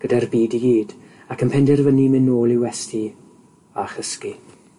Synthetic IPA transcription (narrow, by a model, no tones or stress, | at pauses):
ɡ̥ədarbiːdiɡiːd | akʰənpʰɛndɪrvənimɪnoːlˠɪwɛstʰi | aχəski